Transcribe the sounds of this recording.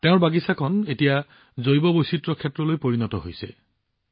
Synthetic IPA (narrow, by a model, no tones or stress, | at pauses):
teʊ̃ɹbaɡisakʰɔnetija | zojbɔbojsitɹɔkʰɛtɹɔlojpoɹinɔtɔɦojsɛ̰